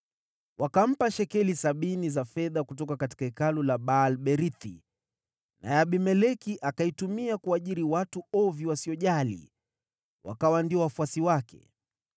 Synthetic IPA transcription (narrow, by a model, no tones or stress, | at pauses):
wʔakam̩paʃɛkɛlisaɓinizafɛðakutɔkakati̥kaikalulaɓalɓɛɾiθḭ | nʔa̰jaɓimɛlɛkiʔakaitumiakuaʄiɾiwatuɔviwasiɔʄalḭ | wa̰kawandiɔwafuasiwakɛ̰